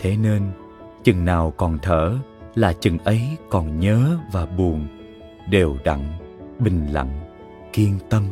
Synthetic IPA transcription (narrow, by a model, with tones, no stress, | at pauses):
t̪ʰe˨˦ne˧n | t͡ɕɨ˨˩ŋnaː˨˩wkɔ˨˩nt̪ʰəː˧˩laː˨˩t͡ɕɨ˨˩ŋʔə˨˦jkɔ˨˩nɲəː˨˦vaː˨˩ɓu˨˩ən | ɗe˨˩wɗa̰˧˨ŋɓï˨˩ŋ̟la̰˧˨ŋ | ki˧ənt̪ə˧m